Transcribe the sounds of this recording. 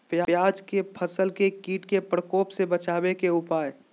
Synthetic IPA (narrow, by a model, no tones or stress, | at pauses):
pjajaːd͡ʒkepʰəsəlkekiːʈkepɾəkoːpsebət͡ʃaːbekeʊpaːe